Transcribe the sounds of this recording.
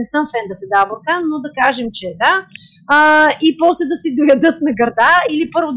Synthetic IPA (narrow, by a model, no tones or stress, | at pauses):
ɛsɤmfɛnd̪ɐsɛd̪aboɾkanod̪ɐkaʒɛmt͡ʃɛd̪a | ipɔslɛd̪ɐsid̪ojɐd̪ɤt̪̚nɐɡɐɾd̪ailipɤɾvo